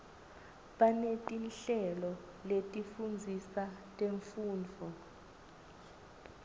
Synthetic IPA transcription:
ɓanetʼinɬɛlɔ | letʼifund͡zʱisatʼeɱfuːnd͡vʱɔ

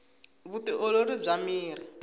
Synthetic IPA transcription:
βutiʔɔloɾib͡ʐʷamiːɾi

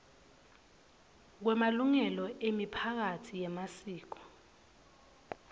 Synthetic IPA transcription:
k̬wɛmaluŋɛlɔʔemipʰak̬atʰijɛmasiːk̬ɔ̥

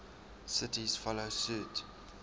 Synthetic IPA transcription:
sɪtizfɔlosuːt

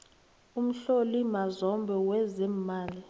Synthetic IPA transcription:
um̩ɬolimazɔmbʱɛwɛzɛmːaːli

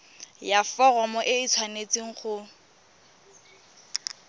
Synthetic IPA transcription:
jafɔɣɔmɔʔɪit͡sʰwanet͡sʼiŋ̩χʊ

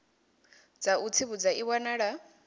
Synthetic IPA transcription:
d͡zaut͡sʰiβud͡zaiwanaɺa

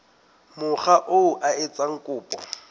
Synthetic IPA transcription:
mʊχaʔoʊʔaɪt͡sʼaŋ̩kʼʊːpʼɔ̰

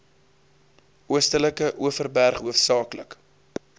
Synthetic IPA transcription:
uəstələkəʔuəfərbærχɦuəfsɑːklək

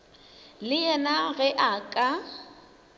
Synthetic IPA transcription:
lɪɛnaɣɛʔakʼa

